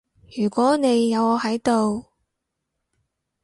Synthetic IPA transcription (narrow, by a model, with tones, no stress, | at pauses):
jyː˨˩kʷɔː˨˥ne˨˧jːɐ˨˧wɔː˨˧hɐ˨˥jt̪o˨w